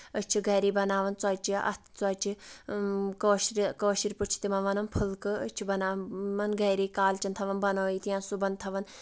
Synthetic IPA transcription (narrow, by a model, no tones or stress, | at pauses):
ət͡ʃʰiɡɐɾiːbɐnaːʋɐnt͡saːt͡ʃiɐ̰t̪ʰt͡swaːt͡ʃʰi | koːʃɾikoːʃiɾput͡ʃʰi̥t̪imɐnʋɐnɐnpʰɨlkɨət͡ʃʰibɐnaːmɐnɡɐjɾiːkaːlt͡ʃɐnt̪ʰɐʋɐnbɐnoːit̪ijãːnsubɐnt̪ʰɐʋɐn